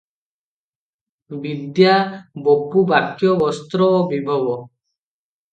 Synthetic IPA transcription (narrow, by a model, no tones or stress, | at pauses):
bid̪jabɔpubakjɔbɔst̪ɾɔbibʱabɔ